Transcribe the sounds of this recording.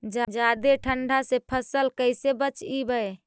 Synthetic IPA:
d͡ʒd͡ʒad̪eʈʰəɳɖʱasepʰəsəlkəɪsebət͡ʃibəe

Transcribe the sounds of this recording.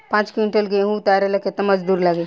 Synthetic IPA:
pãːt͡ʃkiɳʈəlɡɐeɦũt̪aːɾelɐket̪amɐd͡ʒd̪uːɾlɐɡe

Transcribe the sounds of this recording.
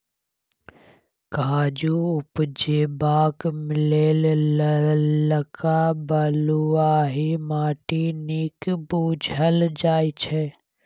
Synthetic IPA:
kaːd͡ʒuːʊpd͡ʒeːbaːkmɪleːl | ləkʰaːbəluaːɦimaːʈiniːkbuːd͡ʒʱəld͡ʒaːit͡ʃʰɛː

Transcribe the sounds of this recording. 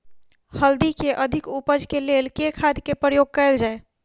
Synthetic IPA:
həld̪ikeʔəd̪ʱikupəd͡ʒʱkelelkekʰad̪ʱkepɾəjoɡ̚kəld͡ʒae

